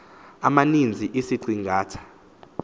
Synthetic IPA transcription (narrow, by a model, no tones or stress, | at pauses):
amanind͡zʱiʔisiǀʱiŋɡʱaːtʰḁ